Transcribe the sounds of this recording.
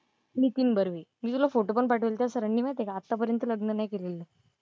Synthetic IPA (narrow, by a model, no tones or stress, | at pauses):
nit̪iːnbəɾʋeːmiːt̪ulafoʈop̬əɳpaʈʰəʋəlt̪jasəɾəɳːiːmajt̪ekaːt̪ːapəɾjənt̪ələɡnənakelelːə